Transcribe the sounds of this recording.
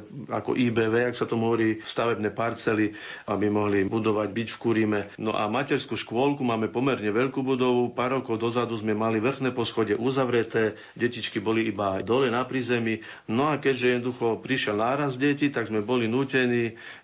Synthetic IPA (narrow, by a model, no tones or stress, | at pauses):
a̰kɔ̰ʔiːbɛʋɛːaksat̪ɔmɦɔʋɔɾiːfst̪aʋɛbnɛːpaɾt͡sɛli | abimɔɦlibud̪ɔʋaɟbicfkuɾimɛnɔ̰ʔa̰macɛɾskuːʃkʊɔlkumaːmɛpɔmɛɾɲɛʋɛʎkuːbud̪ɔʋupaːɾːɔkɔʊd̪ɔzad̪uzmɛmaliʋr̩xnɛːpɔsxɔɟɛʔuzaʋɾɛt̪ɛː | ɟɛcit͡ʃkibɔliibad̪ɔlɛnapɾizɛmi | nɔakɛʒɛjɛd̪nɔd̪uxɔpɾiʃɪɛlnaːɾazd̪ɟɛcit̪aɡzmɛbɔlinuːcɛniː